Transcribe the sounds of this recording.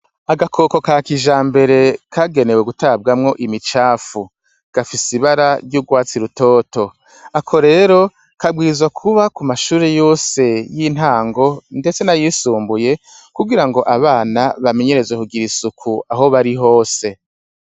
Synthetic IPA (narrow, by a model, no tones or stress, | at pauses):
aɡakʰoːko̞kakiʒaːmbe̞ɾe̞kʰaɡe̞ne̞we̞ɡutab̚ɡamŋo̞ʔimit͡ʃaːfu | ɡ̥afisiβaɾaɾɟuɡwaːt͡siɾuto̞ːto̞ | akʰo̞ɾe̞ːɾo̞ | kabwiːzwakʰuβakumaʃuːɾe̞jo̞ːse̞jin̥ɦaːŋɡo̞nde̞t͡se̞najisuːmbuje̞ | kuɡiɾaŋɡo̞ʔaβaːnaβame̞ɲe̞ɾe̞zwekuɡiɾisukʰuaɦo̞βaɾiɦo̞ːse̞